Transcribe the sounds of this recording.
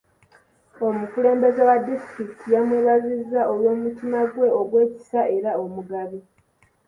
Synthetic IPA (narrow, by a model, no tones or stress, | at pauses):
o̞mukule̞ːmbe̞zewadistɾiki̥tʰijamweːβazizːao̞lwo̞ːmutimaɡwe̞o̞ɡwe̞ːci̥saʔe̞ɾao̞muɡaβi